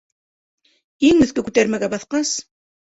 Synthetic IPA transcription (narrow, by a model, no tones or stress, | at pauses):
iŋɵ̆θkɘkʉt̪æɾmæɡæbɑθqɑs